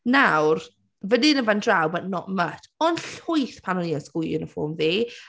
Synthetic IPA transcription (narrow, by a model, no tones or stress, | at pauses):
nawr | vədɪnəvandrawbanɔʔmətʰɔnɬʊjθpʰanɔniːɔnskʊjʊ̰nəfo̰ːmviː